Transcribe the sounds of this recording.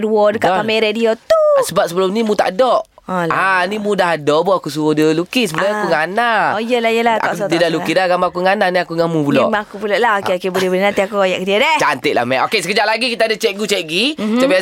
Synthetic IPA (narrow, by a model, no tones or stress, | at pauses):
duɔdəkaamɛɾediot̪usəbap̚səbəlʊmnimũt̪a̰ʔdɔʔ | ɔlanimũdaɦadɔʔbɔakusuwɔdəlukisəbəluakuŋanaojəlajəlata̰adidalukidaɡamaakuŋananiakuŋamupulɔʔmaakupulɔʔlaokeokebulɛbəninant̪iakuajaʔkədiadɛt͡ʃant̪ɪʔla̰mɛʔokesəkəd͡ʒaʔlaɡikit̪adat͡ʃɛʔɡut͡ʃɛɡit̪api